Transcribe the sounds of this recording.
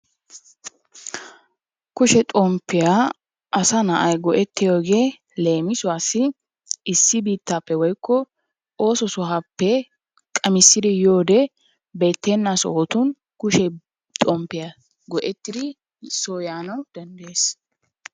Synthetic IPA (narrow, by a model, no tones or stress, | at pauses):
kʊʃɛt̪ʼɔmpːɪja | ʔɐsɐnɐʔɐjɡɔʔɛt̪ːɪjoːɡe̞ː | le̞ːmɪsʊaːsɪ | ɪsːɪbiːt̪ːapːɛwɔjkːɔ | o̞ːsɔsʊɦapːɛ | kʼɐmɪsːɪd̪ɪjoːd̪ɛ | be̞ːt̪ːɛnːasoːt̪ʊn | kʊʃɛ | t̪ʼɔmpːɪja | ɡɔʔɛt̪ːɪd̪ɪ | soːjaːnɐwd̪̥ɐnd̪e̞ːs